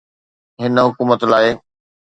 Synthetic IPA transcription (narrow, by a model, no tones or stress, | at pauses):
ɦɪnəɦʊkuːmət̪laːɪ